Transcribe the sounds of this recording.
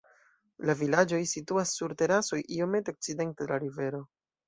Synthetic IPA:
lavilad͡ʒo̞jsituasːuɾte̞ɾaso̞jʔio̞me̞teo̞k̚t͡side̞ntedelaɾive̞ɾo̞

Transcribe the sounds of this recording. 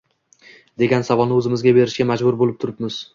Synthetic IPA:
d̪e̞ɡʲansavɒlnɪɵzɪmɪzɡʲabe̞ɾɪʃɡʲamad͡ʒbʊɾbolɪp̚t̪ʰʊɾɪpmɪz̥

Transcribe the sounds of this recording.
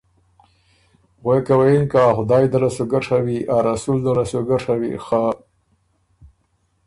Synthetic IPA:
ɣwekawajinkaxʊd̪ɑːjd̪alasoɡaʂʰawiʔaɾasuld̪alasoɡaʂʰawḭxa

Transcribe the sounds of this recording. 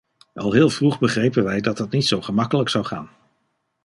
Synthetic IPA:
ʔɑlˠɦɪːlˠvruχbəχrejpənʋɛjdɑtɦətnitsowχəmɑkələksɑwχaːn

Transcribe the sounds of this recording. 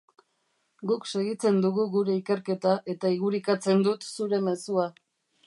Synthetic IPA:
ɡukse̞ɣit͡se̞nd̪uɣuɣuɾe̞ike̞ɾke̞t̪aʔe̞t̪aiɣuɾikat͡se̞nd̪ut̪suɾe̞me̞sua

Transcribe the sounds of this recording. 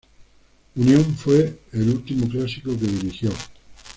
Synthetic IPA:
unjõɱfweelult̪imoklasikokeðiɾixjo

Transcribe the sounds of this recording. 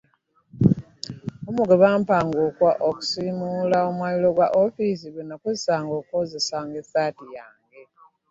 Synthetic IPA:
omuɡeβaːmpaːŋɡokwaʔoku̥simulaomwaːlilo̞ɡwaʔofis̬iɡwenakozisaːŋɡoːkozisaːŋɡesaːtijaːŋɡe̞

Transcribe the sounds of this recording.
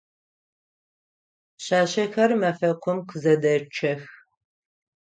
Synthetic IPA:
ɕaːɕɐxɐrmɐfɐqʷʊmqʰzɐdɐt͡ʃʰɐx

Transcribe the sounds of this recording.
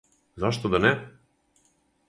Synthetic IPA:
zaʃt̪ɔd̪anɛ

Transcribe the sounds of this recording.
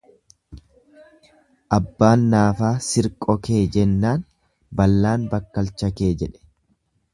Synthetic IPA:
ʔɐbːaːnːaːfaːsɪɾkʼɔke̞ːd͡ʒɛnːaːn | bɐlːaːnbɐkːɐlt͡ʃɐke̞ːd͡ʒɛᶑɛ̥

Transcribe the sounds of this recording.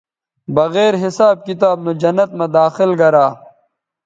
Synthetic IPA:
bɐɣeːɾɦɪsaːb̚kit̪aːb̚nod͡ʑɐnːɐt̪̚mɐd̪aːxɪlɡɐɾaː

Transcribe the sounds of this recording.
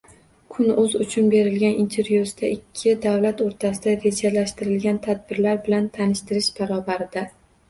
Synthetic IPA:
kʰʊnɵzʊt͡ʃʰʊnbe̞ɾɪlɡʲanint̪ʰe̞ɾjusd̪aʔɪkʲʰːɪd̪avlat̪oɾt̪ʰasɪd̪aɾe̞d͡ʒalaʃt̪ɪɾɪlɡʲant̪ʰad̪̚bɪɾlaɾbɪlant̪ʰanɪʃt̪ɪɾɪʃbaɾɒbaɾɪd̪a

